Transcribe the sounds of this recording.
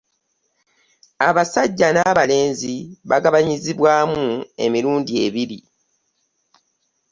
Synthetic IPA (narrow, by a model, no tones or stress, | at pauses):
aβasaɟːanaβale̞ːnziβaɡaβaɲiziβwaːmue̞̰miɾuːndie̞βiɾi